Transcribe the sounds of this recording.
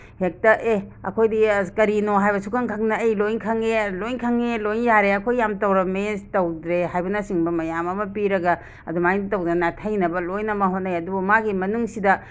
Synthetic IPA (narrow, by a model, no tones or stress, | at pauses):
hek̚tɐʔeɐ̰kʰojdikɐɾinoɦajbɐsukʰaŋkʰɐŋnɐːjlojnkʰɐŋelojnkʰaŋelojŋjaɾeɐkʰojːamtɐwɾɐmetɐwdɾeɦajbɐnɐsiŋbɐmɐjamɐmɐpiɾɐɡɐ | ɐ̰dumajnitɐwdenatʰɐjnɐbɐlojnɐmɐɦonːɐjɐdubumaɡimɐnuŋsidɐ